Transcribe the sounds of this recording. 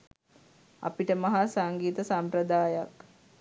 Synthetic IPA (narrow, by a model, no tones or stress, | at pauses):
a̰piʈəmɐɦasaŋɡiːt̪əsampɾəd̪aːjak